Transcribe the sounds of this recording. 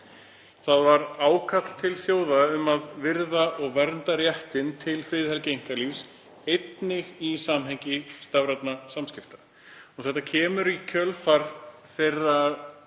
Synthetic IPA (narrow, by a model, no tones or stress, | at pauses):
θaðvaɾaːwkʰat̪l̥t̪ʰɪlθjoːwðaʏmaðvɪɾðaʔɔɣvɛɾnt̪aɾjɛht̪ɪnt̪ʰɪlfɾɪðhɛlcejŋ̥kalifs | ejt̪nɪɣisamɦejɲcɪst̪avɾat̪nasamscɪft̪ḁ | ɔθɛht̪ːacʰɛːmʏɾicʰœlfaɾ | θejrːa